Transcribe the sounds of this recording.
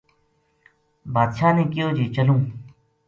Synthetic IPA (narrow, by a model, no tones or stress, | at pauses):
baːd̪ʃaːnẽːkɪjoːd͡ʒiːt͡ʃəlũː